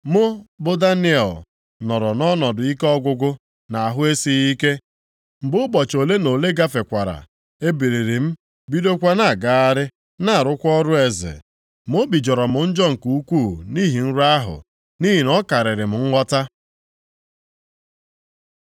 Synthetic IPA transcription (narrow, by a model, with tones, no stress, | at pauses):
mʊ˦bʊ˦da˦nɪ˦ɛ˨l | nɔ˨ɾɔ˨nɔ˦nɔ˨dʊ˨i˦ke˦ɔ˦ɡʷʊ˦ɡʊ˦ | na˨a˨ɦʊ˦e˦si˦i˦ke˦ | m̩˨bʊ˦bɔ˨t͡ʃo˨le˦no˨le˦ɡa˦fe˨kʷa˨ɾa̰˨ | e˦be˨ɾe˨ɾi˨m̩˦ | bi˦do˦kʷa˦na˨ɡa˦a˦ɾɪ˦ | na˦a˨ɾʊ˦kʷɔ˦ɾʊ˦e˦zɪ̰˨ | mo˦bi˨d͡ʒɔ˨ɾɔ˨mʊ˨n̩˦d͡ʒɔ˦ŋ̩˨ku˨u˦kʷu˦˨ni˦ɦi˨n̩˦ɾa˦ɦʊ̰˨ | ni˦ɦi˨nɔ˦ka˨ɾɪ˨ɾɪ˨m̩˨ŋ̩˦ŋʷɔ˦ta˦